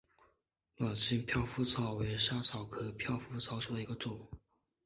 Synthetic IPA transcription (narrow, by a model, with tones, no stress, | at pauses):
lwa˨˩nɕi˥˧ŋpʰjɑ˥˧ʊfu˥t͡sʰɑ˧˥ʊwe˧˥ɪʂa˥t͡sʰɑ˨˩ʊkʰɤ˥pʰjɑ˥˧ʊfu˥t͡sʰɑ˧˥ʊʂu˧˥d̪ə˧i˧˥ɡə˧ʈ͡ʂʊ˨˩˦ŋ